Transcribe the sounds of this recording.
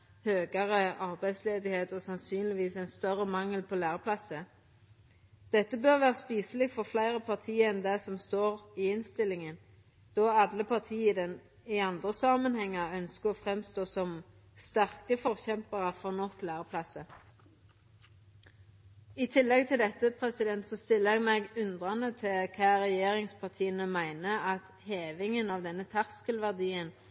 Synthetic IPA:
høːɡəʁəʔɑʁbæɪd̪sleːd̪ɪheːt̪ɔːsɑnsyːnlɪʋiːsɛnst̪œʁəmɑŋəlpʰɔlæːʁəpʰlɑsə | d̪̥ɛt̪ːəbøʁʋæːʁəspiːsəlɪɡfɔʁflæɪʁəpʰɑʁt̪ʰiːəɛnd̪æsɔmst̪oːʁɪɪnst̪ɪlːɪŋən | d̪̥oːɑd̪ləpʰɑʁt̪ʰiːəd̪ɛn | ɪɑnd̪ʁəsɑmənhɛŋːəʁœnskəʁɔːfʁɛmst̪oːsɔm | st̪æʁkəfɔʁçɛmpəʁəfɔʁnɔklæːʁəpʰlɑsə | ɪt̪ʰɪlːɛɡ̚t̪ʰɪld̪ɛt̪ːəpʰʁɛsɪd̪ɛnt̪sɔst̪ɪlːəɛɡmɛɡʉnd̪ʁɑnət̪ʰɪlkʰɑːʁɛjeːʁɪŋspʰɑʁt̪ʰiːənəmæɪnəɑt̪ | heːʋɪŋənɑʋd̪ɛnːət̪ʰæʁskəlʋæʁd̪iːən

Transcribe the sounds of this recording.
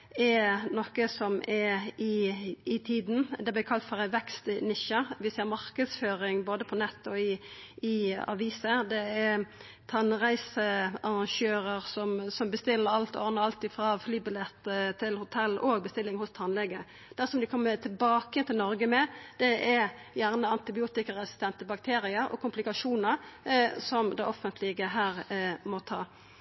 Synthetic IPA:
ɛnɔkəsɔmɛɪɪt̪ʰiːd̪n̩d̪ɛblɪkʰɑlt̪fɔʁæʋɛkst̪nɪçəʋɪsæɪəɾmɑʁkəd̪sføːɾɪŋboːd̪əpʰɔnɛt̪ːɔɪɪɑ̰ʋiːsəd̪ɛɛɾ | t̪ʰɑnʁæɪsəɑʁɑʃøːɾəʁsɔmsɔmbəst̪ɪlːəɾɑlt̪ɔ̰ʁnəɑlt̪ɪfɾɑflyːbɪlɛt̪ːt̪ʰːɪlhʊt̪ʰɛlːoːɡ̚bəst̪ɪlːɪŋhʊst̪ʰɑnlɛɡːə | d̪̥æʁsɔmd̪ɪkʰɔmːət̪ʰɪlbɑːkəɛnt̪ɪlnɔɾɡəmɛd̪̥ɛʔɛjæʁnəɑnt̪ɪbɪuːt̪ɪkəʁɛsɪst̪ɛnt̪əbɑkt̪ʰeːɾɪəɾɔ̰kʰʊmplɪkɑʂuːnəɾsɔmd̪ɛ̰ʔɔfənt̪ʰlɪɡəɦæːɾmɔt̪ʰɑː

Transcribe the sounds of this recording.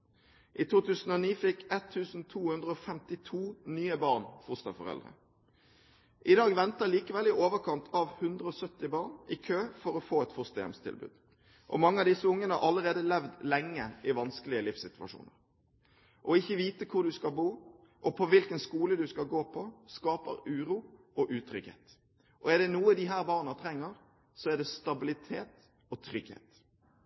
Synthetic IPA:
ʔɪt̪ʰuːt̪ʰʉːsən̩ɔniːfɪkːɛt̪ʰːʉːsn̩t̪ʰuːhʉnd̪ʁəɔfɛmt̪ɪt̪ʰuːnyːəbɑʁnfʊst̪ɑfɔʁɛ̰ld̪ʁə̰ | ʔɪd̪ɑːɡʋɛnt̪əliːkəʋɛlɪʔoːʋəkʰɑnt̪ʰɑʋhʉnd̪ʁəɔsœt̪ːɪbɑːʁnʔɪkʰøːfɔɾɔfoːɛt̪fʊst̪əjɛ̰mst̪ʰɪ̰lbʉ̰ːd̪̥ | ʔɔ̰mɑŋːəɑʋd̪ɪsəʊŋːənəɑ̰ʔɑləʁeːd̪əlɛʋd̪lɛŋːəʔɪʋɑnskəlɪəlɪfsɪt̪ʉɑ̰ʂṵːnə̰ʁ | ʔɔɪçːəʋiːt̪əkʰʊʁd̪ʉskɑlbuː | ʔɔpʰɔʋɪlkənskuːləd̪ʉskɑlɡoːpʰɔskɑːpə̰ɾʉːɾuːʔɔʔʉːt̪ʰɾʏɡhḛːt̪ | ʔɔɛd̪ɛnuːəd̪ɪɦæːɾbɑːʁnɑt̪ʰɾɛŋːəɾ | sɔɛʁd̪ɛst̪ɑbɪlɪt̪ʰeːt̪ | ɔt̪ʰɾʏɡhḛːt̪

